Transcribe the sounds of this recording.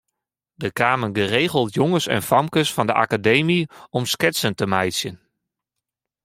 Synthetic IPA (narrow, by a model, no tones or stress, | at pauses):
dəkaːmənɡəreːɣəlˠtjɔŋəsɛ̰nfɑmkəsfɑndəʔa̰kadejmiɔmskɪtsəntəmɛjsjən